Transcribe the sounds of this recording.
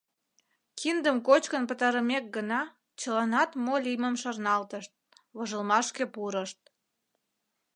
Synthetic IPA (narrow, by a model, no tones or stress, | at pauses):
kʰind̪əmkot͡ɕkənpət̪ɑɾəmek̚ɡənɑ | t͡ɕəlɑnɑt̪molʲiməmʃɑrnɑlt̪əʃt̪̚ | βəʒəlmɑʃkepuɾəʃt̪̚